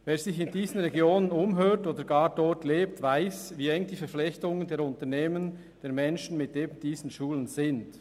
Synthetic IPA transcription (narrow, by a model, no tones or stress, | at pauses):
veːɾzɪçɪndiːzən̩ʁɛɡjoːnənʊmɦøːtoːdəɾɡɑːɾdɔɹtleːp̚tvaɪsviːɛŋd̥iːfɛɾflɛçtʊŋəndeːɾʊntəɾneːmən | d̥eːɾmɛnʃn̩mɪt̚eːbm̩d̥iːzn̩ʃuːlənz̥ɪnd